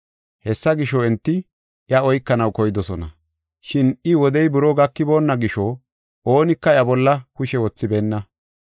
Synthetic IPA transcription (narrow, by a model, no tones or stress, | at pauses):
hɛsːɐɡɪʃɔɛnt̪ːɪ | ʔjɐɔjkːɐnɐwkɔjɪd̪ɔsɔnɐ̰ | ʃɪnɪwɔd̪ɛjbʊɾoɡɐkːɪbo̞ːnːɐɡɪʃɔ | ʔoːnɪkːɐjɐbɔlːɐkʊʃɛwɔt͡sːɪbeːnːɐ